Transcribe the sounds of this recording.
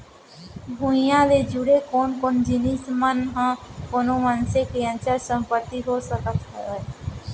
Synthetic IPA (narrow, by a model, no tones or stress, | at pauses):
bʱuɪjãːd̪eːd͡ʒʊɽeːkoːnkond͡ʒɪniːsmənɦãːkonõːmənseːkɪjãnt͡ʃasəmpət̪ːiːɦoːsəkət̪ɦɛ